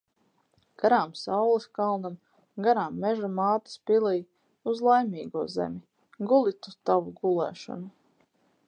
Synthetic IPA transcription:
ɡ̥aɾaːmsawlˠiskalˠnam | ɡaɾaːmːɛʒamaːt̪ḁspilˠij | uzlˠajmʲiːɡuɔzḛmʲi | ɡulˠit̪ut̪avuɡulˠɛ̰ːʃɔ̰nu

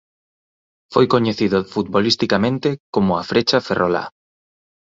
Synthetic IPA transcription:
fojkoɲeθiðʊfut̪̚βolist̪ikamẽnt̪ekomʊafɾet͡ʃaferʔola̰

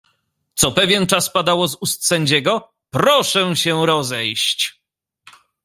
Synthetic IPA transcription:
t̪sɔpɛvʲjɛnt͡ʂaspad̪awɔzust̪sɛɲd͡ʑɛɡɔ | pɾɔʂɛɕɛɾɔzɛjɕt͡ɕ

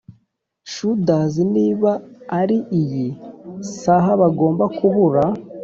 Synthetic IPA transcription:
ʃudaziniːβaːɾiʔijisaɦaβaɡo̞ːmbakuβuɾa

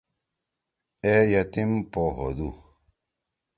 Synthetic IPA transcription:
ejat̪impoɦo̰d̪u

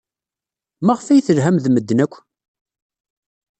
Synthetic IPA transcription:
mæʁfæjθəlɦæmðməd̪ːənækʷː

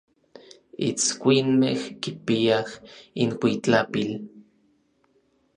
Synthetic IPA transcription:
ḭt͡skʷinmehkipiahinkʷit͡ɬapil

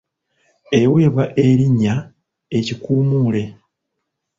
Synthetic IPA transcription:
e̞we̞ːβwaʔe̞ɾiɲːa | e̞cikuːmuːle̞

